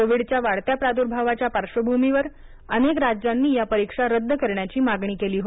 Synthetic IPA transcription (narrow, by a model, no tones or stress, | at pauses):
koʋiɽt͡ɕjaʋaɽt̪japɾad̪uɾbʱaʋat͡ɕjapaɾʂəbʱumiʋəɾ | ənekɾad͡ʑanːiːjapəɾikʂaɾəd̪ːəkəɾɳjat͡ɕiːmaɡɳ̃iːkeliːɦo